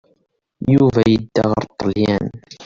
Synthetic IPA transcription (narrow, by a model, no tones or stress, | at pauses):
juvæjəd̪ːæʁə̰ɾˤt̪ˤːɑljæn